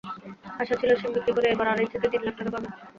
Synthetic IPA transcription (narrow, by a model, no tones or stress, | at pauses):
aʃat͡ɕʰiloʃimbit̪ːikoɾeebaɾaɾejt̪ʰet̪ed̪inlak̚ʈaɾebabe